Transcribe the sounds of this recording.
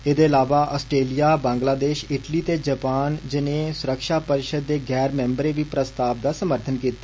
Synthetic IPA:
eːd̪eːəlaːʋaːʔɔːsʈɾeːlijaːbãːŋɡlaːd̪eːʃɪʈliːt̪eːd͡ʒəpaːnd͡ʒɪnẽːsʊɾəkʃaːpəɾɪʃəd̪ːeːɡɛːɾmɛ̃ːmbəɾeːʋiːpɾəst̪aːb̚d̪aːsəməɾt̪ʰənkiːt̪ːaː

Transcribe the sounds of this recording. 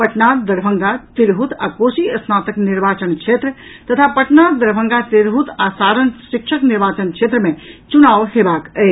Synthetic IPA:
pəʈnad̪d̪əɾbʱə̃ŋɡat̪iɾɦut̪akosiəsnat̪əkniɾbat͡ʃənt͡ʃʰet̪ɾət̪ət̪ʰapəʈnad̪əɾbʱəŋɡat̪iɾɦut̪asaɾənsikt͡ʃʰəkniɾbat͡ʃənt͡ʃʰet̪ɾəmet͡ʃunaʋɦebakə

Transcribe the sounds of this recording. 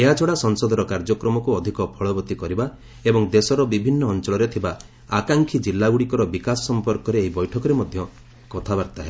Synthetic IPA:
eɦat͡ʃʰɔɽasɔnsɔd̪ʱɔɾɔkaɾd͡ʒɔkɾɔmɔkuɔd̪ʱikɔpʰɔɭɔbɔt̪ikɔɾiba | ebɔŋd̪esɔɾɔbibʱinːɔːnt͡ʃɔɭɔɾet̪ʰiba | akaŋkʰid͡ʒilːaɡuɽikɔɾɔbikasɔ̥sɔmpɔɾkɔɾeːɦibɔjʈʰɔkɔɾemɔd̪ʱjɔ | kɔt̪ʰabaɾt̪aɦeb

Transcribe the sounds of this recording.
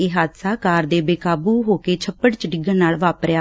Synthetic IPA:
eːɦaːd̪saːkaːɾd̪eːbeːkaːbuːɦoːkeːt͡ʃʰəpːəɽt͡ʃɖɪɡəɾnaːlʋaːpɾjaː

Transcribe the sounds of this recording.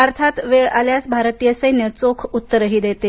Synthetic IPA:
əɾt̪ʰat̪ʋeɭaljasbʱaɾt̪ijəsəjnjət͡sokʰut̪ːəɾəɦiːd̪et̪e

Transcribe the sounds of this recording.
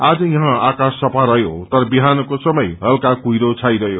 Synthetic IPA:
ad͡zʌjʌɦãakasːʌpʰaɾʌɦjot̪ʌɾʌbiɦanʌkosʌmʌjɦʌlkakujɾot͡sʰajɾʌɦjo

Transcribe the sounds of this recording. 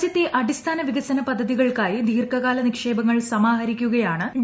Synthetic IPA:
t͡ɕɐt̪ːeʔɐdist̪ʰaːnɐʋiɣɐsɐnɐpɐd̪ʱːɐðiɣɐɭkaːjid̪ʱiːrkɐɣaːlɐnikʂe̞ːbɐŋːɐɭsɐmaːɦɐɾikʲːuɣɐjaːɳɨɖ

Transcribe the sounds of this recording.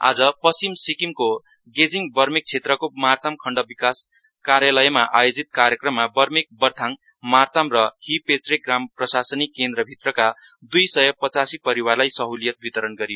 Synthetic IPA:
a̰d͡zʌpʌsimsikimko | ɡed͡ziŋbʌrmek̚t͡sʰet̪rʌkomart̪amkʰʌɳɖʌbikas | kaɾjalʌjmaʔa̰jod͡zit̪̚kaɾjʌkrʌmːabʌrmek̚bʌrt̪ʰaŋ | mart̪amrʌhipesrekɡramprʌsasʌnikːend̪rʌbʱit̪rʌkad̪ujsʌjʌpʌt͡sasipʌɾiwarlajsʌɦulijʌt̪̚bit̪ʌɾʌnɡʌɾijo

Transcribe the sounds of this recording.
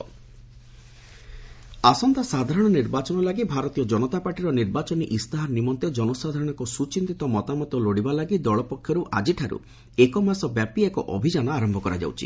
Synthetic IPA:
asɔnt̪asad̪ʱaɾɔɽ̃ɔniɾbat͡ʃɔnɔlaɡibʱaɾɔt̪ijɔd͡ʒɔnɔt̪apaɾʈiɾɔniɾbat͡ʃɔniʔist̪aɦaɾnimɔnt̪ed͡ʒɔnɔsad̪ʱaɾɔɽ̃ɔkusut͡ʃint̪it̪ɔmɔt̪amɔt̪ɔloɽibalaɡid̪ɔɭɔpɔkʰːjɔɾuʔad͡ʒiʈʰaɾṵ | ekɔmasɔbjapiekɔʔɔ̰bʱid͡ʒanɔaɾɔmbʱɔkɔɾa̰d͡ʒa̰wt͡ʃʰḭ

